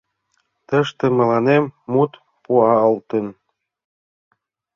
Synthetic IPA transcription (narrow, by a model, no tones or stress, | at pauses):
t̪ə̆ʃt̪ĕmɤ̆lɑnemːut̪ | puɑɤ̆lt̪ə̆n